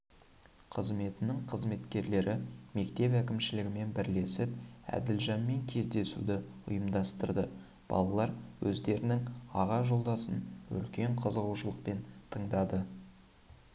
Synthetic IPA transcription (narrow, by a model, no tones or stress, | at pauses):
qʰəzme̞t̪ɪnɪŋqʰəzme̞t̪kʲe̞ɾle̞ɾɪme̞kt̪e̞pækʲɪmʃɪlɪɡʲɪme̞nbɪɾle̞sɪpæ̰d̪ɪlʒɑnme̞ŋkʲʰe̞zd̪e̞sṵd̪ɪʊ̰jəmd̪ɑst̪əɾd̪ə | b̥ɑ̰lˠɑlˠɑɾwʔɵzd̪e̞ɾɪnɪŋɑʁɑʒo̞lˠd̪ɑsənɵ̰lkʲe̞ɴqʰəzəʁuwʃəlˠəq̚pe̞nt̪ʰəɴd̪ɑd̪ə